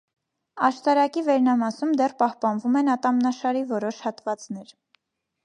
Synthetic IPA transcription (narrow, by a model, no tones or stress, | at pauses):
ɑʃt̪ɑɾɑkivɛɾnɑmɑsumd̪ɛrpɑhpɑnvumɛnɑt̪ɑmnɑʃɑɾivɔɾɔʃhɑt̪vɑt͡sn̪ɛɾ